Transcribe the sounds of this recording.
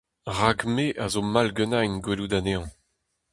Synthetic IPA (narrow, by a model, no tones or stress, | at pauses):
ʁaɡmeʔazomalɡønajnɡwelud̪aneɑ̃